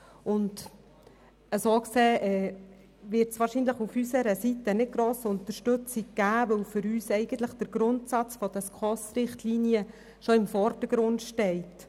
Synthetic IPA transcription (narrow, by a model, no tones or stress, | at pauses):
ʊnd | əsoːkseːʔɛː | ʋɪɾtsʋɑːɾʃiːnləχufysəɾəsitənɪt̚ɡ̥ɾoːsʊnt̪əɾʃtɵt͡siɡ̚ɡ̥æːʋœwfʏɾyːsɛɪɡ̥ənt̪ləχd̥əɾɡ̥ɾʊntsɑt͡sfɔd̥̪ɛskʰɔsɾɪχt̪liːnjə | ʃoɪmfɔrdəɡɾʊntʃtɛɪt